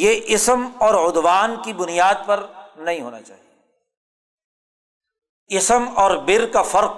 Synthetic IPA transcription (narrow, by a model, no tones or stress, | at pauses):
jeʔɪsəmɔːɾʊd̪ʋaːnkibʊnijaːd̪̚pɐɾnɐɦĩɦoːna̰t͡ʃa̰ːɦie | ɪsəmɔːɾbɪɾkafɐɾq